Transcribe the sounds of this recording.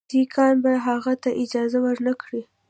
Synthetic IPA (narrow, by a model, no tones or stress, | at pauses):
ikʰɑnbaɦaɣat̪aʔɪd͡ʒɑzawəɾnakɽi